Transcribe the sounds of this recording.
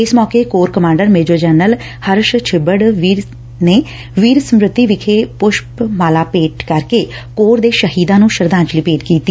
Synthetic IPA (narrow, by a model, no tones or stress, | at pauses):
ɪsmɔːkeːkoːɾkəmãːɳɖəɾmeːd͡ʒoːd͡ʒɛːnəl | həɾʃt͡ʃʰɪbəɽʋiːɾ | neː | ʋiːɾsəmɾɪt̪ːiːʋɪkʰeːpʊʃpmaːlaːpeːʈkəɾkeː | koːɾd̪eːʃəɦiːd̪ãːnũːʃəɾd̪ãːɲt͡ʃliːpeːʈkiːt̪ːiː